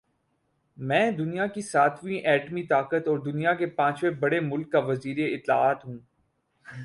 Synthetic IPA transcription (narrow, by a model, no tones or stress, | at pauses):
mɛ̃ːd̪ʊnijakisaːt̪ʰʋĩʔɛːʈmit̪aːkət̪ɔːɾd̪ʊnijakepãːt͡ʃʋebɐɽemʊlkːaʋɐziːɾeɪt̪la̰ːaːt̪ɦũː